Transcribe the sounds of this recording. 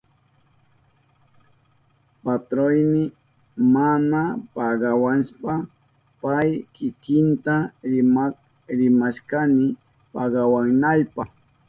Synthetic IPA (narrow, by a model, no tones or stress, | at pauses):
pat̪ɾojmɪ | manapɑɢɑwanʃpa | pajkɪkɪnt̪aɾɪm | ɾɪmaʃkanɪ | pɑɢɑwaŋnajpɑχ